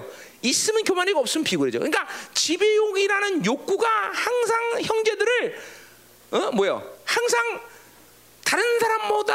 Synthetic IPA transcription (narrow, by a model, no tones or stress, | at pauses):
is͈ɯmɯnkjomaɲiɡʌp̚s͈ɯmɯnpiɡuɾed͡ʑo̰kɯɲik͈at͡ɕibejoɡiɾanɯnjok͈̚uɡahaŋs̬ʰaŋçjʌŋd͡ʑe̞dɯɾɯɭ | ʌmwʌjo̰haŋs̬ʰaŋ | taɾɯnsʰaɾamːoda